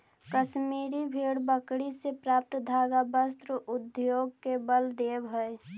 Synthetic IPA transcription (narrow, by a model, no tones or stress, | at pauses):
kəʃmiɾibʱeɽbəkɽisepɾap̚t̪d̪ʱaːɡabəst̪ɾəʔʊd̪joɡ̚kebəld̪ebɦəe